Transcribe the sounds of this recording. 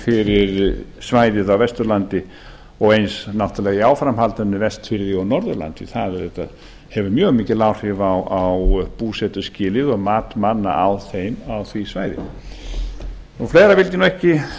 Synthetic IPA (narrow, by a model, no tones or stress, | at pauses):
fɪɾɪɾsvaːjðɪðawvɛst̪ʏɾlant̪ɪ | ɔɣejnsnawht̪alɛːɣiaːwfɾamhalt̪anːɪvɛst̪fɪɾðɪɔwnɔɾðʏɾla̰nt̪ɪ̰θaðɛɾðɛht̪a̰ð | hɛvʏɾmjœːɣmiːcɪlawr̥hɪvawawpuːsɛt̪ʏscɪːlɪðɔɣmaːt̪manːa̰ʔawθejmawθvisvaːjðɪ̰ | ɔɣfleːjɾavɪlc̬ɪnwɛhcɪ